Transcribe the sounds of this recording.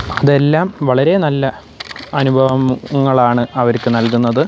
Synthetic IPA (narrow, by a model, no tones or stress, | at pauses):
ɐðe̞lːaːmʋɐɭɐɾe̞nɐlːɐ | ɐnubʱɐʋɐmŋːɐɭaːɳɨɐʋɐɾkːɨnɐlkunːɐðɨ